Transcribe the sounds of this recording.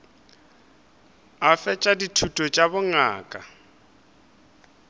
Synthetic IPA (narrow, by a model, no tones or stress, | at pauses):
afɛt͡ʃʼaditʰutʼɔt͡ʃʼabʊŋa̰ːkʼa